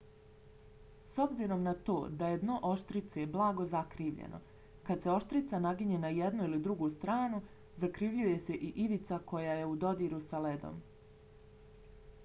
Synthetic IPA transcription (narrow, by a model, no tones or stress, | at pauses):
so̞bziɾo̞mnat̪o̞ːd̪ajed̪noʔo̞ʃt̪ɾit̪sejeblˠaːɡo̞zakɾiːʋʎḛnʔo̞̰ | kad̪se̞o̞ʃt̪ɾit̪sanaɡiɲe̞najed̪nuilid̪ɾuɡust̪ɾaːnu | zakɾiʋʎuje̞se̞ʔiʔiʋit̪sako̞jaje̞ud̪o̞d̪iːɾusale̞d̪o̰m